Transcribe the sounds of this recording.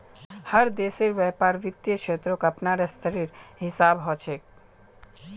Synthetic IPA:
haɾd̪eʃeɾbɛpaɾbit̪ːeʃʰet̪ɾokapnaɾɛst̪ʰəɾiɾɦisabɦɔt͡ɕʰek̚

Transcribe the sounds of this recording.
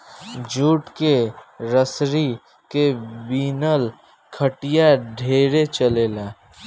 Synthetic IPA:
d͡ʒuːʈkeɾəsɾi | kebiːnəl | kʰəʈijaɖʱeːɾet͡ʃəleːlaː

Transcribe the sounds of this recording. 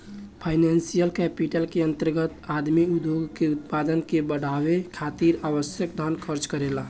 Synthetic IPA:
pʰaɪnɛnsijəlkɛpiʈəlkeənt̪əɾɡət̪ad̪miud̪joɡkeut̪̚pad̪ənkebəɽ̤abekʰat̪iɾaʋəsjəkd̪ʱankʰəɾt͡ʃkəɾela

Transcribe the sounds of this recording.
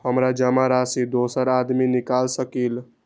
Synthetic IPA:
həmɾad͡ʒəmaɾasid̪osəɾad̪minikalsəkil

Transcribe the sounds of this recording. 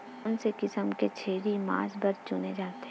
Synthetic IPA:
ʊnsekɪsəmket͡ʃʰeːɾima̰ːsbɐɾt͡ʃʊned͡ʒaːt̪e

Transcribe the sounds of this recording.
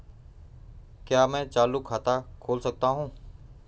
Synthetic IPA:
kjaːmɛ̃ːt͡ʃaːlʊkʰːaːt̪aːkʰoːlsək̚t̪aːɦũː

